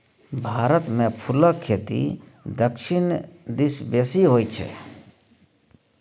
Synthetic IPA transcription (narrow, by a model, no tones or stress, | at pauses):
bʱaːɾət̪mẽpʰʊləkʰːeːt̪ḭ | d̪əkʃʰɪnd̪isbesiɦoːit͡ʃʰɛ̰